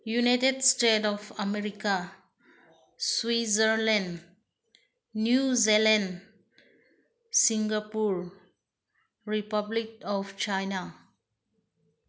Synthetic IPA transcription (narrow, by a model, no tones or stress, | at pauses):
junajtedstetɔvamɛɾika | swizəɾl̃n | juzilãn | sĩŋɡapuɹ | ɹipablik̚ɔft͡ʃajna